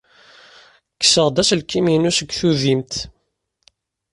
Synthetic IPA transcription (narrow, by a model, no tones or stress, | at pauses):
kːə̥səʁd̪æslkːiminusəɡθuðimt̪